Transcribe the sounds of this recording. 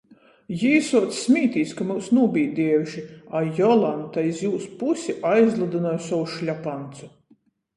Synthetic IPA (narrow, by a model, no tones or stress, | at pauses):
jiːsuɔt̪sːmʲiːt̪iːskamuwsnuɔːbʲijd̪ʲiɛwʒiajɔlˠant̪ajizjuːspusʲiʔajzlˠad̪ɨnajsɔwuʃlʲapant̪su